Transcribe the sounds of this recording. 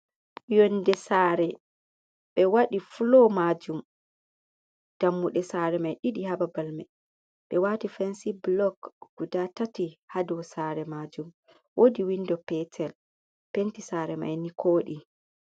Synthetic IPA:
jɔndɛsaːɾɛ | ɓɛwaɗiflɔmad͡ʒum | d̥amːuɗɛsaːɾɛmajɗiɗihababalmɛ | ɓɛwatifɛnsiblɔkɡ̥udatatihadɔsaːɾɛmad͡ʒum | wʔodiwindɔpɛtʰɛl | pentisaːɾɛma̰jnikʰoːɗi

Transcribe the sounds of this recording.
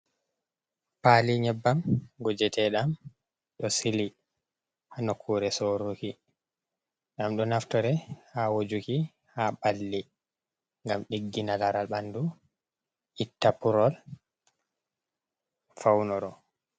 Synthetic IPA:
paliɲɛbːamɡɔd͡ʒɛtʰɛɗam | ɗɔsili | hanokʰːuɾɛsoɾuki | ɗamɗɔnaftɔɾɛhawod͡ʒuki | habalːi | ŋɡamɗiɡːinalaɾalɓandu | ʔitːapuɾɔl | fawnɔɾɔ

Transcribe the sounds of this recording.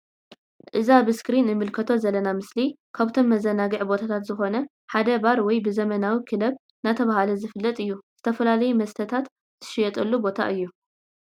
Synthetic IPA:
ʔɨzabɨskɾinɨmɨlkʰɐt̪ʰo̞zɐlːɐnamɨsli | kʰaβt̪ʰo̞mːɐzɐnaɡɨʕbo̞t̪ʰat̪ʰat̪zɨxo̞nɐ | ħad̪ɐbaɾwɔjbɨzɐmɐnawikʰɨlɐβ | nat̪ʰɐβahalɐzɨfɨlːɐt̪ʼɨjːuz̥ɨt̪ʰɐfɐlalɐjumɐst̪ʰɐt̪ʰat̪ | z̥ɨʃɪjɛt̪ʼɐlːubo̞t̪ʰa̰ʔɨjːu

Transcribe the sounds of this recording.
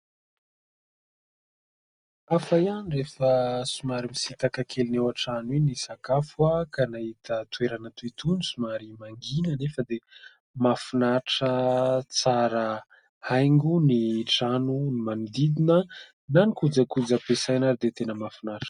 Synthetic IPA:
afajanirefəsumaɾimisit̪akakʰelinewaʈ͡ʂanwinisakafwakanahit̪ət̪ueɾanat̪uit̪unisumaɾimaŋɡinənefəd̪e | mafunaʈ͡ʂət͡saɾə | hajŋɡuniʈ͡ʂanunimanid̪id̪inə | nanikud͡zakud͡zapesajnaɾid̪et̪enəmafinaʈ͡ʂ

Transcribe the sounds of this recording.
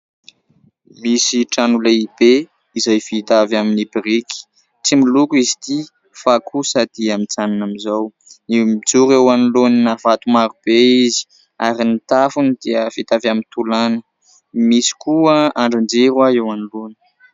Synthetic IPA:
misiʈ͡ʂanulaib̥e | izajfit̪avaminibiɾiki̥ | t͡similukizit̪i | fakʰusad̪iamint͡sananamizaw | nimid͡zuɾewanuloninavat̪umaɾub̥eizi̥ | aɾinit̪afunid̪̥iəfit̪avamint̪ulanə | misi̥kuəaɳɖ͡ʐand͡zeɾwaewanuloni̥

